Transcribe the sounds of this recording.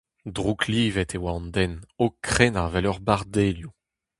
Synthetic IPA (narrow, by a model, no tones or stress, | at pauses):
d̪ʁukʰliːvɛt̪ʰewaɑ̃nd̪ɛnokχɛnavɛlœʁbaʁd̪eːlju